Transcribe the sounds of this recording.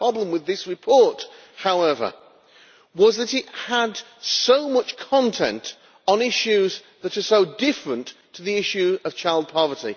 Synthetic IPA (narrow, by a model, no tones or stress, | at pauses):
pɹ̥ɑblə̃mwɨðɪsɹɨpʰɔɹt | haʊɛvə̰˞ | wʌzðɨɾɪt̚həd | soʊmʌt͡ʃkʰɑ̃ntʰɛ̰̃nt | n̩ɪʃʉz | ðɨɾə˞soʊdɪfɹə̃ntʰəðiɪʃʉʌv̥t͡ʃʰaɪlˠd̚pʰɑvə˞ɾi